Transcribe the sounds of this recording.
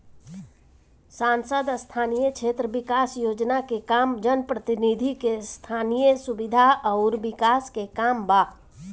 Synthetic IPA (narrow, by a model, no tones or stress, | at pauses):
saːnsəd̪st̪ʰaːnijəkʃʰeːt̪ɾəbɪkaːsjoːd͡ʒnakekaːmd͡ʒənpɾət̪ɪnid̪ʱikest̪ʰaːnijəsʊbɪd̪ʱaʔɔʊɾʋɪkaːskekaːmbaː